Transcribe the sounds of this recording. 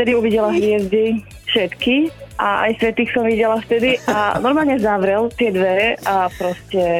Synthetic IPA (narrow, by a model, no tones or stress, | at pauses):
ft̪ɛd̪iuʋiɟɛlaɦʋɪɛzdi | fʃɛt̪kixʔaa̰jsʋɛt̪iːxsɔmʋiɟɛlaft̪ɛd̪iʔanɔɾmaːlɲɛzaʋɾɛlt̪ɪɛd̪ʋɛapɾɔscɛ